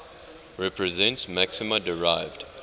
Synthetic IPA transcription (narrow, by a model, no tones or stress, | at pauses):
ɹɛpɹɛzɛ̃ntsmæksɪmədəɹaɪvd̥